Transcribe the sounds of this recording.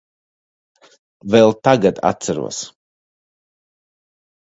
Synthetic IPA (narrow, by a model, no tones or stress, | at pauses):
vɛlˠt̪aɡad̪a̰t̪saɾṵɔs